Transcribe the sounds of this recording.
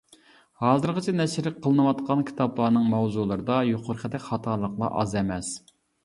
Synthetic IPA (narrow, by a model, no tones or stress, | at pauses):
hɑːzɨɾʁət͡ʃʰɛnɛʃɾɪk̚qʰːəlˠɨnɨwɑt̪qʰɑnkʲʰi̥t̪ʰɑblˠɑːnɨŋmɛwzulˠɨɾɨd̪ɑjoqʰʊɾqʰəd̪ɛkʲχɑt̪ʰɑɾlˠəqlˠɑ̰ʔɑzɛmɛs